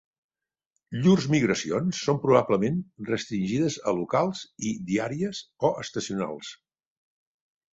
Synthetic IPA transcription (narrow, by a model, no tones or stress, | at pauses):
ʎurzmiɣɾəsionsːompɾuβ̞abləmenrəst̪ɾinʲʒiðəzəlukalˠziðiaɾiəzoʔəst̪əsiuna̰lˠs